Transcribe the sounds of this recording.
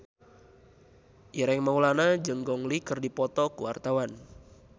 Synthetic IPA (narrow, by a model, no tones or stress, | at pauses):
ʔiɾɛŋmaulanad͡ʒəŋɡɔŋlikərdipɔt̪ɔkuwa̰rt̪awan